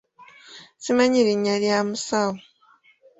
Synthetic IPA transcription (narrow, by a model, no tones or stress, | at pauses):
simaɲiɾiɲaljamusawo